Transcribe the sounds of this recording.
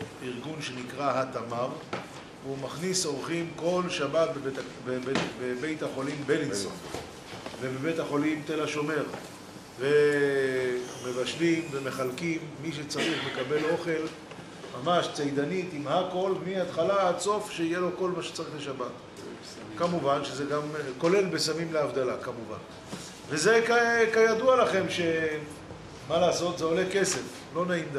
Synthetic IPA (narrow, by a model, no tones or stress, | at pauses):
iʁɡunʃe̞nikʁaɦat̪amam | veumaχniso̞ʁχimko̞lʃabat̪̚bee | bebebebe̞jt̪haχo̞limbeliso̰ | vebebe̞jt̪haχo̞limt̪elaʃo̞me̞ʁ | ve | me̞vaʃlimveme̞χalkimːiʃ̬et͡saʁiχle̞kabe̞lo̞χe̞l | mamaʃt͡sejd̪anit̪imhako̞lmihat̪χalaad̪so̞fʃeijelo̞ko̞lmaʃe̥t͡saʁiχle̞ʃabat̪ | kamuvanʃezeɡamko̞le̞lbesamimleavd̪alakamuva̰n | ve̞zekakajad̪ualaχe̞mʃe̞ | malaːso̞t̪zeo̞leke̞se̞f | lo̞naimd̪